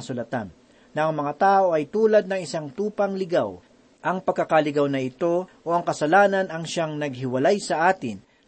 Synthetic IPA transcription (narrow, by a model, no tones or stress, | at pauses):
ɐsulɐt̪a̰nː | ɐʔɐŋmɐŋat̪aːʔo̞ʔɐjt̪uːlɐd̪̚nɐŋɪsaŋt̪uːpɐŋlɪɡaw | ʔɐŋpɐɡ̚kːɐkalɪɡawnɐʔɪt̪o̞ʔoɐŋkɐsɐlaːnɐnɐŋʃaŋnɐɡ̚hɪwɐlajsɐʔaːt̪ɪn